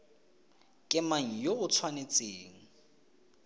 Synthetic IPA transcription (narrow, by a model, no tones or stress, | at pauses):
kʼɪmaŋ̩joʊt͡sʰwanet͡sʼeːŋ̩